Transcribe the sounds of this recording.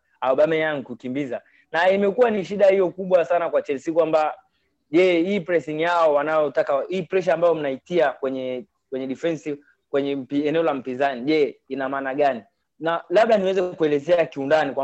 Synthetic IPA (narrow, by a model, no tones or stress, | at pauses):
auɓamɛjaŋkukimbiza | naimɛkuwaniʃiɗahijɔkuɓwasanakwat͡ʃɛlsikwamba | ʄɛhiːpɾɛsiŋjaɔwanajɔtakahiːpɾɛʃ̬aambajɔm̩naitiakwɛɲɛ | kwɛɲɛɗifɛnsi | kwɛɲɛpːnɛɔlam̩pizaniʄɛinamaːnaɡani | nalaɓ̚ɗaniwɛzɛkuɛlɛzɛakiundanikwa